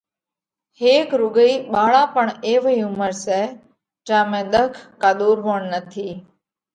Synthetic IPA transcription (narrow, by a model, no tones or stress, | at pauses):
heːkɾʊɡəiːɓaːɭãːpəɳeːʋiʊməɾsɛː | d͡ʒãːmẽːɗ̪əkʰkaːɗ̪uːɾɦoːɳnət̪ʰiː